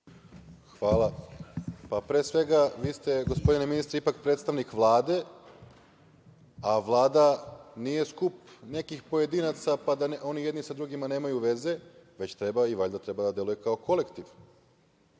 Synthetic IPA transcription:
xʋaːlˠa | papɾeːsʋe̞ɡaʋiːst̪e̞ɡo̞spo̞d̪ineminist̪ɾeipak̚pɾet̪st̪aʋnikʋlˠaːd̪e̞ | aʋlˠaːd̪aniːje̞skupne̞kixpo̞je̞d̪iːnat̪sapad̪ano̞nije̞d̪nisad̪ɾuɡimane̞ːmajuʋe̞ze̞ʋe̞t͡ɕt̪ɾe̞baiʋaʎʲd̪at̪ɾe̞bad̪ad̪je̞luje̞kao̞kʰo̞le̞kt̪iʋ

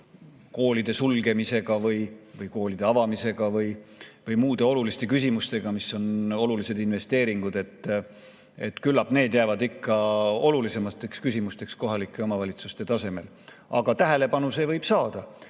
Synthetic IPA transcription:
ko̞ːlid̪e̞sulɡ̥e̞mise̞ɡ̥ɑvɤjvɯjko̞ːlid̪̥e̞ɑvɑmise̞ɡ̥ɑvɯjvɯjmuːd̪̥e̞o̞lulist̪e̞kysʲimust̪e̞ɡ̥ɑmisːo̞no̞lulise̞d̪̥inve̞st̪e̞ːɾiŋɡ̥ud̪e̞t̪ː | e̞t̪ːkylːɑbne̞ːd̪jæːvɑd̪ikːɑo̞lulise̞mɑt̪ːˑe̞kskysimust̪e̞ksko̞ɦɑlikːˑe̞o̞mɑvɑlʲit̪sust̪e̞t̪ɑse̞me̞l | ɑ̰ɡ̥ɑt̪æɦele̞pɑnuse̞vɤjb̥sɑːd̪̥ɑ

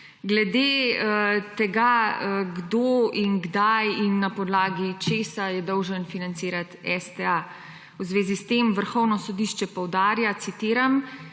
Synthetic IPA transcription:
ɡlɛd̪eːət̪ɛɡaəɡd̪oinɡd̪ajinːapɔd̪laːɡit͡ʃeːsajɛd̪ɔwʒənfinant̪siːɾat̪ɛst̪ɛa | wzʋeːzist̪emʋəɾxɔwnɔsɔd̪iʃt͡ʃɛpɔwd̪aːɾjat̪sit̪iːɾam

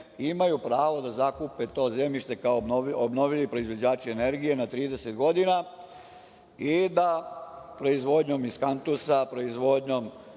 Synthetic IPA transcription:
imajupɾaːʋo̞d̪azakupet̪o̞ːze̞miʃt̪e̞kaoobno̞ʋilipɾo̞izʋo̞d͡ʑaːt͡ʃiene̞ɾɡije̞nat̪ɾiːd̪ese̞t̪ɡo̞d̪ina | id̪apɾo̞izʋo̞d̪ɲo̞miskant̪usapɾo̞izʋo̞d̪ɲo̞m

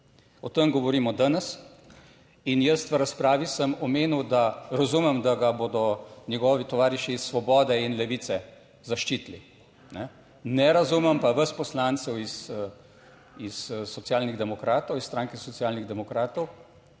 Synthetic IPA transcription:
ɔt̪əmɡɔʋɔɾiːmɔd̪anɛs | injəst̪ʋəɾaspɾaːʋisəmɔmeːnuwd̪aɾazumɛmd̪aɡaboːd̪ɔnɛɡɔːʋit̪ɔʋaːɾiʃiːsːʋɔbɔːd̪ɛinlɛʋiːt̪sɛ | zaʃt͡ʃiːt̪lḭ | nɛ | nɛɾazumɛmpaʋəspɔslaːnt̪sɛwis | issɔt̪sijaːlniɣd̪ɛmɔkɾaːt̪ɔwisst̪ɾaːŋkɛsɔt̪sijaːlniɣd̪ɛmɔkɾaːt̪ɔw

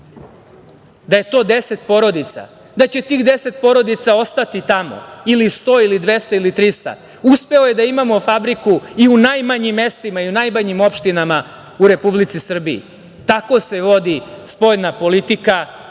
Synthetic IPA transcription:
d̪aje̞t̪o̞ːd̪e̞se̞t̪po̞ɾo̞d̪it̪sa̰ | d̪at͡ɕe̞t̪iːɣd̪e̞se̞t̪̚po̞ɾo̞d̪it̪sao̞st̪at̪it̪amo̞̰ilist̪o̞ːilid̪ʋe̞st̪ailit̪ɾist̪a̰ | uspe̞oje̞d̪aimamo̞fabɾikuiunajmaɲimːe̞st̪imaiunajmaɲimo̞pʃt̪inama | uɾe̞publit̪sisr̩biḭ | t̪ako̞se̞ʋo̞d̪ispo̞ʎnapo̞lit̪ika

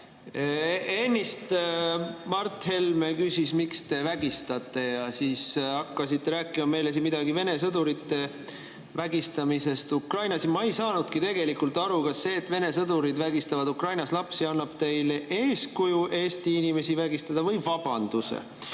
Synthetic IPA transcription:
enʲːist̪ | mɑrt̪ːˑhe̞lme̞kysʲismikst̪e̞væɡ̥ist̪ɑt̪ˑːe̞jɑsiːsɑkːɑsit̪ːe̞ɾæːkːˑimɑme̞jles̬imid̪̥ɑɡive̞ne̞s̬ɤd̪uɾit̪ːe̞ | væɡist̪ɑmise̞st̪ukrɑjnɑsmɑejsɑːnud̪̥kit̪e̞ɡe̞likult̪ːˑɑɾukɑsːe̞ːt̪ːˑve̞ne̞sɤd̪uɾid̪væɡist̪ɑvɑd̪ukrɑjnɑslɑpsiɑnːɑb̥t̪e̞jleʔe̞ːskujuʔe̞ːst̪iinime̞sivæɡist̪ɑd̪̥ɑvɤjvɑb̥ɑnd̪usḛ

